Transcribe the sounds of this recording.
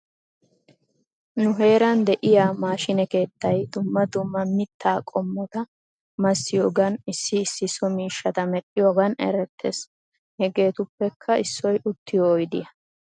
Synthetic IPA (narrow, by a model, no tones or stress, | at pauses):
nʊɦe̞ːɾɐnd̪ɛʔɪjaːmaːʃɪnɛke̞ːt̪ːɐjd̪ʊmːɐd̪ʊmːɐmɪt̪ʰːaːkʼɔmːɔt̪ɐ | mɐsːɪjoːɡɐnɪsːɪːsːɪsɔmiːʃːɐt̪ɐmɛᶑʼɪjoːɡɐnɛ̰ɾɛt̪ʰːḛːs | hɛɡe̞ːt̪ʊpːɛkʰːɐɪsːɔjʔʊt̪ːɪjɔːjd̪ɪjɐ